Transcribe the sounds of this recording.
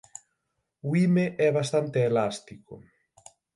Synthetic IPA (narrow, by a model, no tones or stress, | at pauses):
uimeʔɛβast̪ant̪eːlast̪ikʊ̰